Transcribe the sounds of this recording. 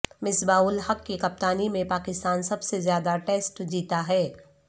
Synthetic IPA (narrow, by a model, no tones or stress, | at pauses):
mɪsbaːʊlhɐkːikɐp̚t̪aːnimẽpaːkɪst̪aːnsɐbsezjaːd̪aʈeːsʈd͡ʒiːt̪aɦɛː